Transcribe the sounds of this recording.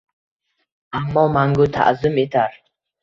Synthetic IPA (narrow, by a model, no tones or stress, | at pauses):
amːɔmaŋɡut̪ʰa̰ʔzumet̪ʰaɾ